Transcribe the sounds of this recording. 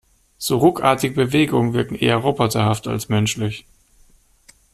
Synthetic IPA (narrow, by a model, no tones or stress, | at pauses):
z̥oːʁʊkʔa̰ːɐtɪɡəbəveːɡʊŋənvɪɐkŋ̩ʔḛːɐʁoːbɔtɐhafta̰lsmɛnʃlɪç